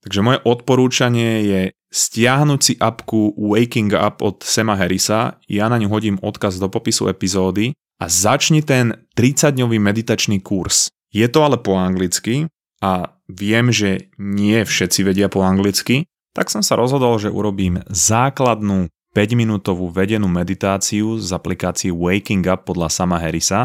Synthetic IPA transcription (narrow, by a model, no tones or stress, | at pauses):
t̪aɡʒɛmɔjɛʔɔt̪̚pɔɾuːt͡ʃaɲɪɛjɛ | scɪaɦnucsiʔapkuʋɛjkiŋɡa̰pɔt̪sɛmaɦɛɾisa̰janaɲuɦɔɟiːmɔt̪kazd̪ɔpɔpisṵɛpizɔːd̪i | azat͡ʃɲɛt̪ɛnt̪ɾit͡saɟɲɔʋiːmɛd̪it̪at͡ʃniːkuɾs | jɛt̪ɔalɛpɔaŋɡlit͡ski | a | ʋɪɛmʒɛɲɪɛfʃɛt̪t͡siʋɛɟɪapɔaŋɡlit͡ski | t̪aksɔmsaɾʔɔzɦɔd̪ɔlʒɛʔṵɾɔbiːmzaːklad̪nuː | pɛɟminuːt̪ɔʋuːʋɛɟɛnuːmɛd̪it̪aːt͡siuzaplikaːt͡siɛwɛjkiŋɡapːɔd̪lasamaɦɛɾisa